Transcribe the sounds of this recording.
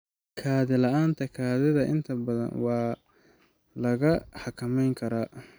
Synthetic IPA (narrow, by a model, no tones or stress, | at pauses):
kʰaːðɪlɐʔaːnt̪ʰɐkʰaːðɪðɐʔɪ̰nt̪ʰɐbɐðɐ̰nwɑː | lɐɣɐħɑkʰɐmɛjŋkʰɐɾaː